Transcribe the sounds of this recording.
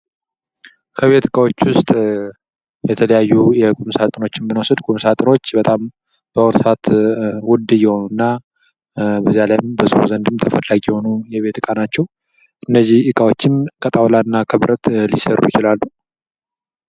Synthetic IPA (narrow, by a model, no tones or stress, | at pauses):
kʰəβe̞t̪ɨkʼawo̞t͡ʃːwʊst̪ʼ | jɛt̪ʰələjajːujɛkʼumsat̪ʼɨno̞t͡ʃːɪnbɨnosɨd̪kʼumsat̪ʼɨno̞t͡ʃːbət̪ʼam | b̥əɔɾsat̪wʊd̪ɨjɛho̞nunːa | bəzijalajmbəso̰zənd̪ɨmt̪ʰəfəlːaɡijɛho̞nujɛβe̞t̪ɨkʼanat͡ʃːɛw | ʔɨnːəzːihɨkʼawo̞t͡ʃːɪnkʰət̪ʼawlanːakʰəβɾʔət̪lisərṵjɪt͡ʃɪlalːu